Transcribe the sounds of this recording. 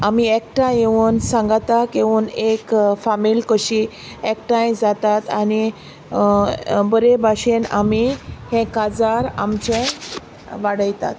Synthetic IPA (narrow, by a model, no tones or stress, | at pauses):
amiek̚ʈãjeʋuːnsãŋɡat̪akeuːnekfamilkəɕi | ek̚ʈãjd͡zat̪at̪ani | bəɾebʱaɕena̰mihẽkad͡zaɾamt͡ɕẽ | ʋaɽəjt̪a̰t̪